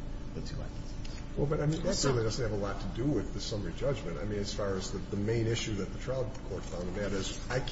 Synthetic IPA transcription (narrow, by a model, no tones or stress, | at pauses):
b̥ɨsʰɨla̰ɪk̚ɨs | wɛlˠbʌɾaɪmĩnɨsɜ˞lˠidʌzn̚ɨvəlɔtʰɨdɨwɪðɨsʌmə˞id͡ʒʌd͡ʒmɨ̃nta̰ɪmĩnɨz̥fɑɹɨzðɨðɨmẽɪ̃nɪʃʉðɨt̪̚ðətʰɹ̥aɪlˠd̚kʰɔɹtfãʊ̃ndɨæɾɪz | aɪk